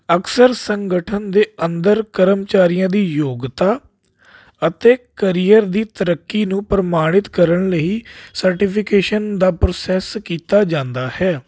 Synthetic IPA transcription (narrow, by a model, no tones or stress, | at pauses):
əksəɾsəŋɡəʈʰənd̪eːənd̪əɾkəɾəmt͡ʃaːɾijãːd̪iːjoːɡt̪aː | ət̪eːkəɾijəɾd̪iːt̪əɾəkːiːnũːpɾəmaːɽ̃ɪt̪kəɾəɳləiːsəɾʈiːpʰɪkeːʃənd̪aːpɾoːsɛːskiːt̪aːd͡ʒãːnd̪aːhɛː